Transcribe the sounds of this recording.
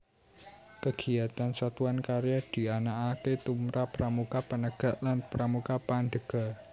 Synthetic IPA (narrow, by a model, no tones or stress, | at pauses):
kəɡ̥iat̪ansat̪uankaɾjad̪̥i̤anaʔaket̪umɾapəɾʔamukapənəɡ̥a̤ʔlanpɾamukapanɖ̪əɡ̥a̤